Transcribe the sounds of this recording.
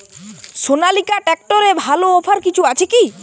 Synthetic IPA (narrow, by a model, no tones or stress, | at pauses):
sonalikaʈɛk̚ʈoɾebʱaloopʰaɾkit͡ɕʰuat͡ɕʰeki